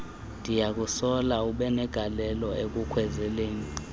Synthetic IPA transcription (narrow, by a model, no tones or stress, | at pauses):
ndʱijak̬usɔlauɓɛnɛɡ̥ʱalɛlɔʔek̬ukʰwɛzɛleːŋi